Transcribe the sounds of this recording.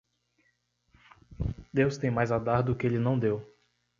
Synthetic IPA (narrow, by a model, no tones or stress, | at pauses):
d̪ewst̪ẽj̃majzad̪aɾd̪ʊkɪelɪnɐ̃w̃d̪ew